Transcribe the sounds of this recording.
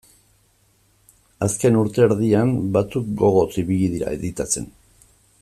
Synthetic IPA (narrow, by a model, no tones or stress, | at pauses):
aske̞nuɾt̪e̞ːɾðiambat͡suk̚ɡo̞ɣ̞o̞t͡siβiɣið̞iɾa̰ḛðit̪at͡se̞n